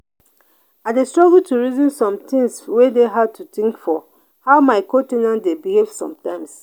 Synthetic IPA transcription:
adestɹɔɡltʰuɹizĩnsɔ̃mtĩŋswedeɦad̚tʰutĩŋkfɔ | haʊmaɪkɔ̃tĩnãndebihev̥sɔ̰̃mtãɪ̃ms

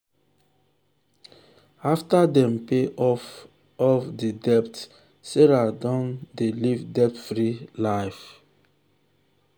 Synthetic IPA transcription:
aftadɛ̃mpeɔ | ɔfdidɛp̚t | seɾadɔ̃ndelivdɛp̚tfɹilaɪf

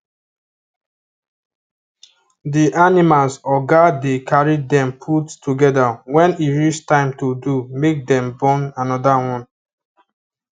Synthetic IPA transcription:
diʔanimalsɔɡadekʰaɹidɛ̃mpʰuttuɡɛdawɛ̃niɹistãɪ̃mtodumek̚dɛ̃mbɔ̃nanɔdawɔ̃n

